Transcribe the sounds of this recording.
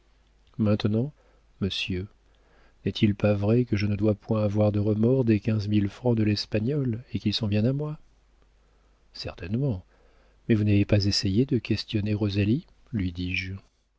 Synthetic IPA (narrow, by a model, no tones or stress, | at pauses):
mɛ̃t̪nɑ̃ | məsjø | nɛt̪ʰilpavʁɛkəʒənəd̪wapwɛ̃avwaʁd̪əʁəmɔʁd̪ekʲɛ̃zmilfχɑ̃d̪əlɛspaɲɔlekilsɔ̃bjɛ̃namwa | sɛʁt̪ɛnmɑ̃ | mɛvunavepazesejed̪əkʲɛst̪jɔneʁɔzali | lɥid̪iʒ